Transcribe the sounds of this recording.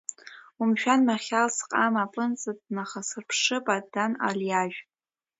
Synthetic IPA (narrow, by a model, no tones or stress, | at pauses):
umʃᶣanmaχʲalsqʼamapʼɨnt͡sʼɨdʼnaχasɨrpʰʂɨpʼad̥ana̰ljaʒᶣ